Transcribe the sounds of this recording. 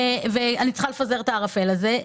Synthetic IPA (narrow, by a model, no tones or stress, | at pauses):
veanit͡sχalefaze̞ʁt̪aːʁafe̞laze